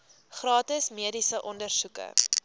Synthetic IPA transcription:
χrɑːtəsmiədisəʔɔndərsukə̰

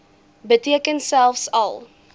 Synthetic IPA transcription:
bətiəkənsælˠfsɐ̰lˠ

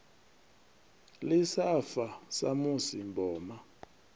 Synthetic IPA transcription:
lisafasa̰musimbʱɔːma

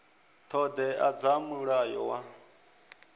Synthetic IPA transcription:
t̪ʰɔd̪ɛad͡zamuɺajɔ̰wa

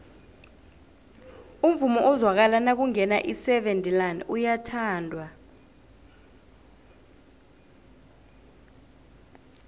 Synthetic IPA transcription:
um̩vumɔʔɔzwak̬alanak̬uŋɛnaʔisɛɓendʱʼilanḭʔujatʰaːndʱwa

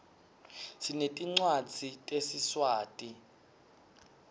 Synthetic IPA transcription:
sinetʼiŋ͡ǀwḁd͡zʱitʼesiswaːtʼi

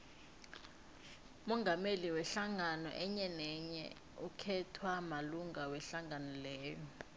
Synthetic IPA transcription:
umɔŋɡʱameliwɛɬaŋanɔ̰ʔɛɲɛnɛɲɛ̰ | ukʰɛtʰwamaluŋawɛɬaŋanɔlɛːjɔ

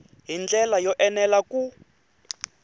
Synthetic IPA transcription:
ɦind͡ɮɛlajɔʔɛnɛlaku

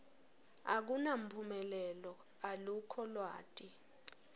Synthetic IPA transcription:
a̰k̬unam̩pʰumɛlɛlɔ | alukʰɔlwa̰ːtʼi

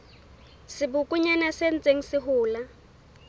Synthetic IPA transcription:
sibʊkʼuɲanasen̩t͡sʼeŋ̩siɦuːla

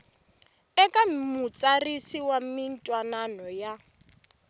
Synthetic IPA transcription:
ɛkʼamut͡sʼarisiwamin̩tʼwananɔja

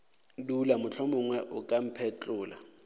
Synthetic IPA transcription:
dulamʊt͡ɬʰɔmʊŋwɛʔʊkʼam̩pʰɛt͡ɬʼʊːla̰

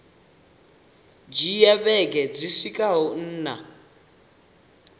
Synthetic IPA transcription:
d͡ʒijɛβɛk̬ɛd͡ziʂikʼaɦɔn̩ːna̰

